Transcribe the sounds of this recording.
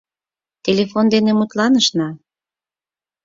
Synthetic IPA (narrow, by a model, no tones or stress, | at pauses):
t̪ʲelefond̪enemut̪lɑnəʃnɑ